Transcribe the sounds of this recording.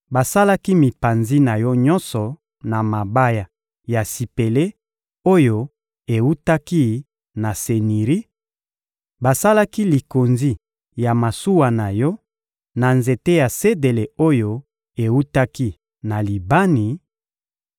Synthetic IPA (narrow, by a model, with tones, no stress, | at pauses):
ba˨sa˦la˦ki˦mi˨pa˨nzi˦na˨jɔ˦ɲɔ˦nsɔ˨ | na˨ma˨ba˦ja˨ | ja˨si˨pe˨le˦ | o˦jo˦ | e˨wu˦ta˦ki˦ | na˨se˨ni˨ʁi˦ | ba˨sa˦la˦ki˦li˨ko˨nzi˦ | ja˨ma˨su˦wa˨na˨jɔ˦ | na˨nze˨te˦ja˨se˦de˨le˨o˦jo˦ | e˨wu˦ta˦ki˦ | na˨li˨ba˦ni˨